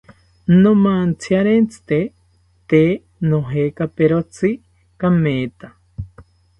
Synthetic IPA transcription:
nomant͡sʰiaɾent͡sɨ̥t̪e | t̪e | noɦekapeɾot͡sʰi | kameːt̪a

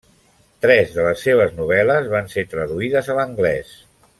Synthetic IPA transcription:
t̪ɾɛzðələsːeβ̞əznuβ̞ɛləzβanset̪ɾəðuiðəzələŋɡlɛs

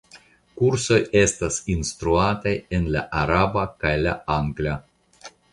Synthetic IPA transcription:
kuɾso̞jest̪asinst̪ɾuat̪ajenla̰ʔaɾabakajlaaŋɡlʲa

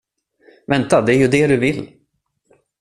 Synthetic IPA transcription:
vɛnt̪ad̪ɛæɾjɵd̪ɛd̪ɵvɪlː

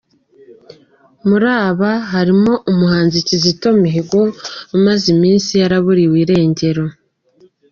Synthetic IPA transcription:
muɾaːβaɦaɾimo̞ʔumuhaːnzicizito̞miɦeɡwomazimiːnsijaɾaβuɾiwiɾe̞ːɲɟe̞ɾo̞

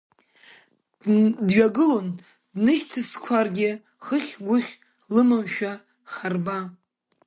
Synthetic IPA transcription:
dɥaɡɨlon | dnɨʃtʰɨskʷʰarɡʲɪ | χəχʲɡʷʊχʲ | lɨmɨmʃᶣa | χarba

